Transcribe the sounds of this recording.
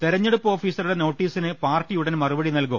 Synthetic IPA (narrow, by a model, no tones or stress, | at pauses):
t̪eɾɐɲːeɽupːo̞ːfiːsɐruɽeno̞ːʈːiːsinɨpaːrʈːijuɽɐnmɐrubɐɽinɐlkum